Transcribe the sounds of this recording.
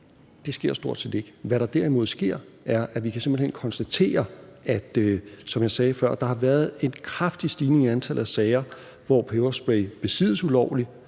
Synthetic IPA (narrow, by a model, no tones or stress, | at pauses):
d̥e̝sɡ̥e̝ɐ̰sd̥o̝ɐ̰d̥se̝̰ːd̥e̝ɡ̥əʋæɾɑ̈d̥æɐimo̝ð̩ˠsɡ̥e̝ɐ̰ | ʔæɐʔæʋikʰæse̝mb̥l̩henkʰɒ̽nsd̥æt͡sʰe̝̰ːɐæd̥øsɒ̽mjɑ̈ɪsɛːfɶɐ̰d̥ɑ̈hɑ̈ʋæɐð̞ˠe̝nkʰʁafd̥isd̥iːne̝ŋiænt͡sʰæl̰̩ˠæsɛɪɐ | ʋɒ̰pʰeʊɐsb̥eb̥e̝sḭːð̩ˠsulɒʊ̰li